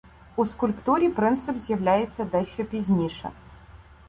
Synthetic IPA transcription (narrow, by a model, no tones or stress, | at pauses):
uskʊlʲpt̪uɾʲipɾɨnt̪sɨpzʲjɐvlʲajɪt̪sːɐd̪ɐɕɔpʲizʲnʲiʂɐ̰